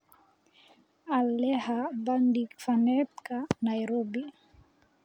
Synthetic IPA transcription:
alːɛhabandikfanɛt̪kanajɾobi

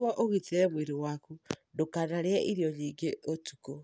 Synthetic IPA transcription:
ɔʔoɣiteɾɛmweɾewakundokanaɾeɛʔiɾjɔɲiɡeotuko

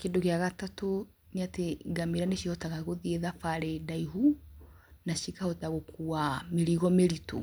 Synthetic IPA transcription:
kendokeaɣatato | neateɡamiɾaneʃihotaɣaɣoðieðafaɾedaiɦu | naʃikahotaɣokuameɾiɣɔmeɾito̰

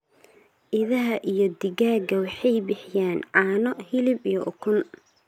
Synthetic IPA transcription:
ʔɪðɐɦɐʔijɞd̪ɪɣaːɡɐwɑħɑjbɪħjaːnʕɑːnɔhɪlɪbijɔʔʊkʰʊn

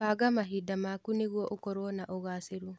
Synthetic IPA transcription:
aɡamaɦidamakuneɣwɔʔokɔɾwɔnaʔoɣaseɾu

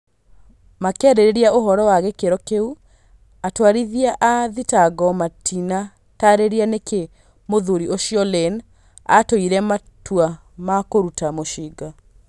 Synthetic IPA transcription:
makɛːɾeɾeɾiaʔoɦɔɾɔwaɣekeɾɔkeu | atwaɾiðiaʔaðitaɡɔmatʰina | taɾeɾianekʰe | moðuɾioʃiɔlɛn | a̰toiɾɛma | twa | makoɾutamoʃiɡa

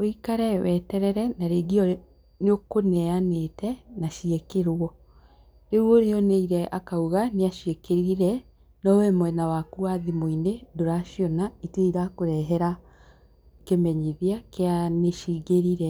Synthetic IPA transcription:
oikaɾɛwɛtɛɾɛɾɛnaɾeɡiɔ | nokonɛanetɛnaʃiekeɾwɔ | ɾeɾwoɾeɔneiɾɛʔakauɣaneaʃiekeɾiɾɛ | nɔwɛmwɛnawakuaðimoinedoɾaʃjɔnaiteiɾakoɾɛɦɛɾa | kemɛɲiðeakeaneʃiːɣeɾiɾɛ

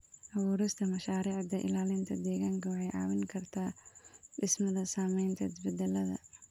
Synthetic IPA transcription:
ʔɐwuːɾɪst̪ʰɐmɐʃaːɾiːʕd̪ɐʔɪ̰laːlɪnt̪ʰɐd̪ɛːɣaːŋkʰɐwɑħɑjʕɑ̰ːwɪŋkʰɐrt̪ʰaːɖɪsmɐðɐsaːmɛjnt̪ʰɐɪsbɛd̪ɛlːɐðɐ̰

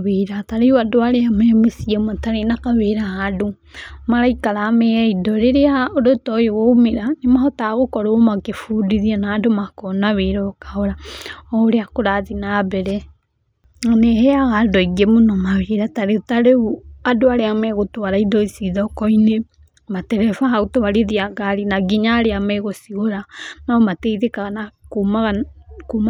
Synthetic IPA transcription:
βeɾataɾeuadoaɾeamɛmesiamataɾenakaβeɾahado | maɾaikaɾamɛaidɔɾeɾeaodotɔjoɣoumeɾanemaɦɔtaɣokɔɾomakefudiðianaːdomakonaβeɾɔkaɔɾaɔɾeakoɾaðinabɛɾɛ | aneɦɛaɣadɔiɡemonɔmaβeɾataɾeutaɾeuadoaɾeamɛɣotowaɾaidɔisiðɔkɔine | matɛɾɛfaɦaɣotoβaɾeðiaɡaɾinaɡiɲaːɾeamɛɣosiɣoɾanɔmateiðekaɣanakumaɣakuma

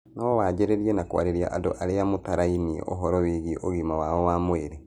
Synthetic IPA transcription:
nɔɔwaːɟeɾeɾiɛnakwa̰ɾeɾia̰ʔado̰ʔaɾeamotaɾainḭʔɔ̰ɦɔɾɔweɣiʔoɣimawaɔwamweɾɛ

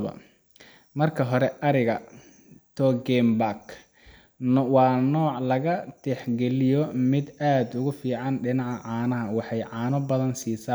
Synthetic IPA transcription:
ɐ̰ | mɐrkʰɐɦɔɾɛʔɐɾɪɣɐ | t̪ʰɔɡɛmbak | wɑːnɔːʕlɐɣɐt̪ʰɛħɡɛlɪjɔmɪd̪aːd̪ʊɣʊfiːʕɑnɖɪnɑʕʕɑːnɐɦɐwɑħɑjʕɑːnɔbɐðɐnsiːsa

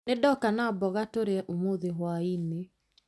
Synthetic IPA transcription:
nedɔkanabɔɣatoɾeʔomoðeɦwaine

